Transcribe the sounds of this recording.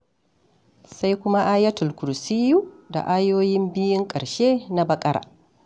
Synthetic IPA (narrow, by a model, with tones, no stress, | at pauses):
sa˦jkʷʊ˦ma˦ʔaː˦jɐ˦tʊ˨lkʷʊ˨ɾsi˦juː˦da̰˨ʔaː˦joː˦jɪ˦mbɪ˦jɪ˦ŋkʼɐ˨ɽʃe˦na˦bɐ˦kʼɐ˦ɾa̰ː˨